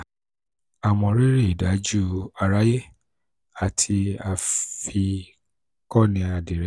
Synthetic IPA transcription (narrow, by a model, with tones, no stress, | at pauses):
a˨wɔ̃˧ɾi˦ɾe˦˨i˨da˨˦d͡ʒu˦a˧ɾa˦je˦ | a˨tʰi˧a˧fi˧ | kɔ˦nĩ˧a˧˨de˨ɾɛ˦